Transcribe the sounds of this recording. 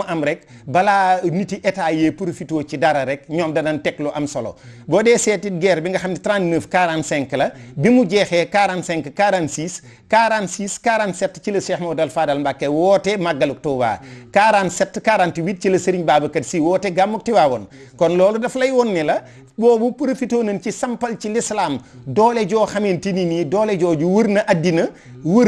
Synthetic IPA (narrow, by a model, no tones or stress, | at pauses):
ʔɐmɾɛkbɐlaːnitiʔɛtaːjepuɾofitoːt͡ʃidɐɾɐɾɛk̚ɲɔːmdɐnɐntɛklɔʔɐmsolo̰bɔdɛːsɛtiɡɛːɾbiŋɡɐxamditɾãntnəːfkaɾansɛŋklɐbimuɟɛːxɛkaɾansɛŋkkaːɾansis | kaɾansiːskaːɾansɛtːt͡ʃilɐsɛxmodɐlfaːdɐlmbakːewɔːtɛmaɡɐluk̚tɔːwa̰ːkaːɾansɛtːkaːɾantiwiːt̚t͡ʃilɐsəɾiɲbaːbɐkɐtsiːwɔːtɛɡamːuk̚tiwaːwɔn | kɔnlɔːlɔdɐflɐjwɔnːilɐ | bɔːbupuɾɐfitoːnɐnt͡ʃisɐmpɐlt͡ʃilislaːm | dɔːlɛɟɔːxɐmentininidɔːlɛɟɔːɟuwəɾnɐʔadinɐ | wəɾ